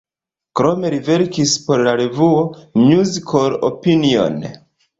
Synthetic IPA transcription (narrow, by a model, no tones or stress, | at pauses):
kɾo̞me̞ɾive̞ɾkispo̞ɾlaɾevuomjuzikʰolo̰pinio̞̰n